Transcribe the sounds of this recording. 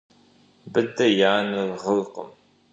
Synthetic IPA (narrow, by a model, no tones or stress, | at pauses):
bəd̪ɐjaːnəlʁəlqə̰m